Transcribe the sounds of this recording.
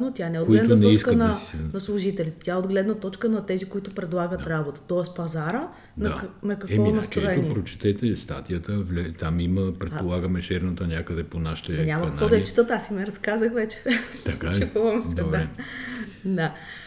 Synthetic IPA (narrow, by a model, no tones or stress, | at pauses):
not̪ʲjanɛod̪ɡlɛd̪nnɛɔit͡ʃskənɐnɐslˠuʒit̪ɛlʲit̪ɛ̥t̪ʲjaɛod̪ɡlɛd̪nɐt̪ɔt͡ʃkənɐt̪ɛzikoit̪ʊpɾɛd̪lˠaɡət̪ɾabot̪ɐ̥t̪ɔɛspɐzaɾə | dnɐanɐkɐkɛɔiimɐt̪ɾoɛniɛpɾot͡ʃɛ̥t̪ɛt̪ɛst̪a̰t̪ijət̪əvlɛt̪amiməpɾɛt̪olˠaɡəmɛt͡ʃɛɾnɐt̪ənʲakəd̪ɛponaʃi̥t̪ɛɲʲamɐkɐknk̪vɔd̪ɐɛt͡ʃi̥t̪ət̪asimɛɾɐskazəxvɛt͡ʃɛ̥t̪ɐkat͡ʃɛk̪uvɐmsd̪ɛɛ | d̪a